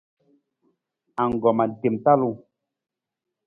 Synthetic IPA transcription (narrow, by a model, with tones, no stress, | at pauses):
a˨ŋ˨ɡɔ˨ma˨de˨mta˦lu˦˨